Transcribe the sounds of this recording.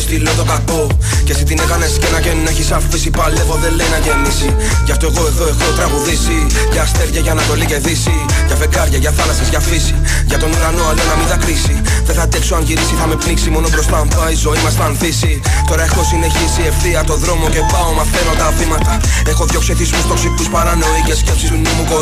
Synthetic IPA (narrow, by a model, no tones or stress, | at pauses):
st̪ilot̪o̞kako̞ | ce̞sit̪inekɐnesi̥cenɐʝenuneçisɐffisipalevo̞ðe̞le̞jnɐʝenisi | ʝɐft̪o̞e̞ɣo̞eɣoexo̞t̪ɾɐɣuðisi | ʝɐːst̪e̞ɾʝɐʝɐːnɐt̪o̞lice̞θisi | ʝɐve̞ɡɐɾʝɐʝɐθɐlɐsɐzʝɐfisi | ʝɐt̪o̞nuɾɐno̞ɐlonɐmind̪ɐkɾisi | ðeθɐd̪ekso̞ɐnʝiɾisiθɐme̞pniksimo̞no̞pɾo̞st̪ɐɱpɐizo̞imɐst̪ɐnθisi | t̪o̞ɾɐexo̞sine̞çisie̞fθiɐt̪o̞ðɾo̞mo̞ce̞pɐo̞mɐθe̞no̞t̪ɐvimɐt̪ɐ | e̞xo̞ðʝo̞ksiθismust̪oksikuspɐɾɐno̞icesce̞psisunemuko